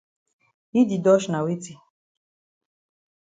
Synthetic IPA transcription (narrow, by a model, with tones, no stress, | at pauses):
i˦di˨dɔ˦ʃna˨wi˦ti˨